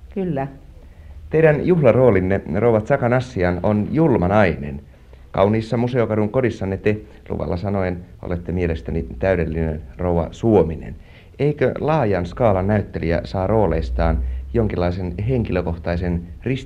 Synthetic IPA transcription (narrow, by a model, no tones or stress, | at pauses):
kylːæ | t̪eiɾænjuhlɑroːlinːerouʋɑt̪sɑkɑnɑsːiɑnonjulmɑnɑinḛn | kɑ̰wniːsːɑmuseokɑduŋkodisːɑnːet̪e | lṵʋɑ̰lːɑsɑnoeno̰let̪ːemielest̪ænit̪æydelːinḛnrouwʋɑ̰suominḛn | eikø̰lɑːjɑnskɑːlɑnnæyt̪ːeliæ̰sɑːrʔoːlḛist̪ɑːnjoŋkilˑːɑisenɦeŋkiløkoht̪ɑisenris